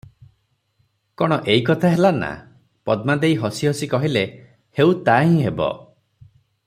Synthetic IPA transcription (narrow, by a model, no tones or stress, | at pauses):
kɔɽ̃ɔʔeikɔt̪ʰaɦelana̰ | pɔd̪mad̪eiɦɔsiɦɔsikɔɦile | heut̪aɦĩɦebɔ̰